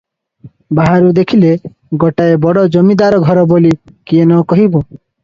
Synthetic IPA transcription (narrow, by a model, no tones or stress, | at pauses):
baɦaɾud̪ekʰile | ɡɔʈaebɔɽɔd͡ʒɔmid̪aɾɔɡʱɔɾɔboli | kienɔkɔɦibu